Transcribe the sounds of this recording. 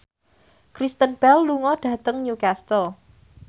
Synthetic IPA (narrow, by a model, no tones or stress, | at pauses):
kɾist̪ənb̥ɛlːuŋɔɖ̥a̤t̪əŋɲukast̪o